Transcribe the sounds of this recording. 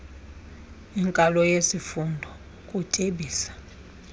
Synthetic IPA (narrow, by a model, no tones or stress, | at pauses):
iŋkʼalɔjesifundʱɔ | kʼutʼeɓiːsḁ